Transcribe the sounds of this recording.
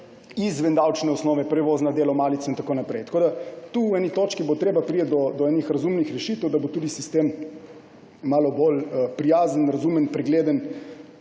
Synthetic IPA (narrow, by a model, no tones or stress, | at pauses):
izʋɛnd̪awt͡ʃnɛɔsnɔːʋɛpɾɛʋoːznad̪eːlɔmaːlit̪sɔint̪akoːnapɾɛjt̪ɐ̥koːd̪at̪uɛːnit̪oːt͡ʃkibot̪ɾeːbapɾiːət̪̚d̪ɔd̪ɔɛːnixɾazumnixɾɛʃit̪əwd̪abot̪uːd̪isist̪eːm | aːlɔbolpɾijaːzənɾazumənpɾɛɡleːd̪ən